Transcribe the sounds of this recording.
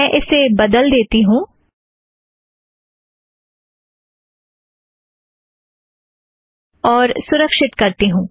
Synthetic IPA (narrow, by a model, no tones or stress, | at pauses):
ɛ̃ʔɪsebəd̪əld̪eːt̪iɦũː | ɔːɾsʊɾəkʃɪt̪kɐɾt̪iɦũː